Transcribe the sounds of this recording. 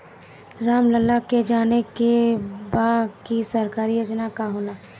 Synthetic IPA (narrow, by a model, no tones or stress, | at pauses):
ɾaːmləlːaked͡ʒaːnekebaːkisɐɾkaːɾijoːd͡ʒnakaɦoːlaː